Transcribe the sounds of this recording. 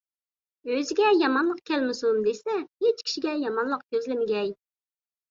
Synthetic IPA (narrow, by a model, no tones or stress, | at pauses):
øzɪɡʲɛjɑmɑnlˠəq̚kʲʰɛlmɪsumd̪esɛhet͡ʃkʲʰi̥ʃiɡʲɛjɑmɑnlˠəq̚kʲøzlɪmɪɡʲɛj